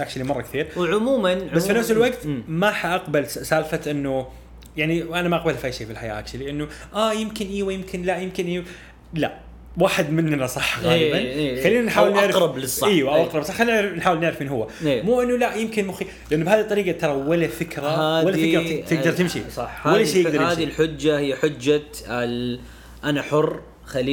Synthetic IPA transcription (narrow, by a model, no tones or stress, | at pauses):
aħʃlimɑrˤːɑkθiːɾʕʊmuːmanʕasfinafsɪlwaɡt̪ːmaħaʔaqbalssaːlfaʔɪnːu | jaʕniʔanamaʔaq̚balfʔaːjʃeːfilħaja̰ːt̪ilɪʔanːuʔaːjɪmkɪnʔiːwajɪmkʰɪnlaʔjɪmkɪnʔiːw | laʔ | waːħɪd̪mɪnːnasˤɑħːɣelːbanexalːiːnanħaːwɪlnɪʕɾɾˤɑblɨsˤːʔiːwʔaʔaqɾɑblsˤɑxanːnɪʕɾɪfnħaːwɪlnɪʕɾɪfʔeːnɦʊwːaemuːʔɪnːulaʔjɪmkɪnmʊxi | lɪʔɪnːubhaːðit̪ˤːɑɾiːqɑt̪ɑɾˤɑwalafɪkɾahaːwalːaɪkɾt̪ɪɡd̪ɑɾˤt̪ɪmʃḭsˤɑħhwalːejːɪɡdɑɾhaːðilħʊd͡ʒːahijːaħʊd͡ʒːa | ʔanaħʊrː | xaliː